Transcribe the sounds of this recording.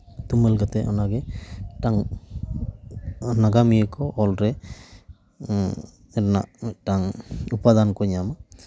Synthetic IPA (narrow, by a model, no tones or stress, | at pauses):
t̪umelɡat̪ɛʔɔ̰naɡɛʈaŋ | naɡamijekɔʔɔlɾɛ | ɛna̰ʈaŋupad̪ankɔɲama